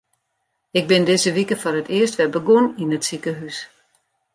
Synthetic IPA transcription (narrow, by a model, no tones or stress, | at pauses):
ɪk̚bɪndɪzəʋikəforətʰɪəstʋɛbəɡoninətsikəɦys